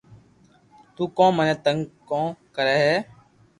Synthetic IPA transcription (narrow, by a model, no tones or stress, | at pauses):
t̪uːkõːmənẽːt̪əŋɡkõːkəɾeːɦeː